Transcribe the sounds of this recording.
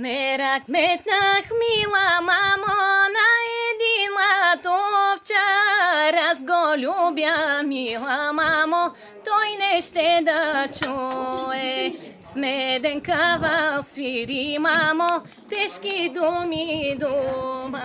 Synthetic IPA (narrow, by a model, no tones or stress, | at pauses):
mɛɾakmɛt̪naxmilamamonajɛd̪inlat̪oft͡ʃaɾazɡolʲubjamilˠamamɔ | t̪ojnɛʃt̪ɛd̪at͡ʃujɛ | smɛd̪ɛnkavalsʋiɾimamɔ | t̪ɛʃkid̪umid̪uma